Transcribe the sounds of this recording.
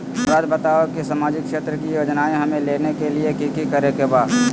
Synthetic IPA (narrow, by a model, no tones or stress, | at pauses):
pɾaːd͡ʒ̪bɐt̪aːʋəkisaːmaːd͡ʒɪkʃeːt̪ɾəkijoːd͡ʒnaːẽɦɐmẽleːnekeliekikikəɾekebaːd̪